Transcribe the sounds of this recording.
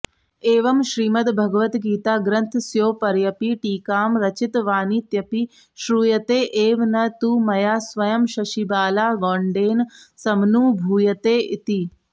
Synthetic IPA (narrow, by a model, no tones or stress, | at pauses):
eːʋɐmʃɾiːmɐt̪bʱɐɡɐʋɐt̪ɡiːt̪aːɡɾɐnt̪ʰsjoːpɐɾjɐpiʈiːkaːmɾɐt͡ʃit̪ʋaːnit̪jɐpi | ʃɾuːjɐt̪eːʔeːʋnɐt̪uːmɐjaːsʋɐjɐmʃɐʃibaːlaːɡɔːɳɖeːnsɐmnuːbʱuːjɐt̪eːʔit̪i